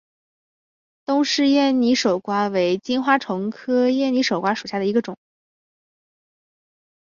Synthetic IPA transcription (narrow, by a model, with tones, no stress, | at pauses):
t̪ʊ˥ŋʂɻ̩˥˧jɛ˥˩nni˧˥ʂo˨˩ʊkwa˥we˧˥ɪt͡ɕi˥nxwa˥ʈ͡ʂʰɤ˧˥ŋkʰɤ˥jɛ˥˩nni˧˥ʂo˨˩ʊkwa˥ʂu˨˩ɕja˥˩də˩i˧˥ɡə˧ʈ͡ʂʊ˨˩˦ŋ